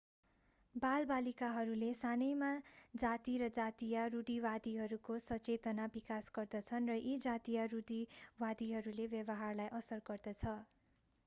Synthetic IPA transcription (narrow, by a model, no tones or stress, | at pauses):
balbalikaɦʌɾulesanʌjmad͡zat̪iɾʌd͡zat̪ijaruɖiwad̪iɦʌɾukosʌt͡set̪ʌnabikasɡʌrd̪ʌt͡sʰʌnrʌʔed͡zat̪ijaruɖiwad̪iɦʌɾulebjʌbʌɦarlajʔʌsʌrɡʌrd̪ʌt͡sʰʌ